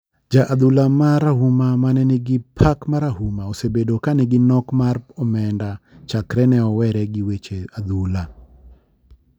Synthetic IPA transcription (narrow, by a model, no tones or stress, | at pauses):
d͡ʒaʔad̪ulamaɾahumamanɛnɪɡɪpʰakmaɾaɦumaosebedokanɛɡɪnɔkmarɔmɛndat͡ʃakɾɛnɛɔwɛɾɛɡɪwet͡ʃead̪ula